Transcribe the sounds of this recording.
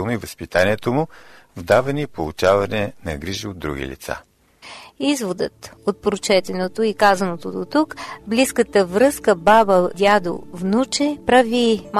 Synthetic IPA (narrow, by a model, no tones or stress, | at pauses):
lˠnoivɐspit̪anʲiɛt̪omʊvd̪avɐnipolˠut͡ʃavɐnɛnɐɡɾiʒiod̪ːɾṵɡ̟ʲḭlḭt̪sa̰ | izvod̪ə̰t̪ot̪̚pɾot͡ʃɛt̪ɛnot̪oikazɐnot̪od̪ot̪ukbliskət̪əvɾɤskəbabəd̪ʲjad̪o̰vnut͡ʃɛpɾavim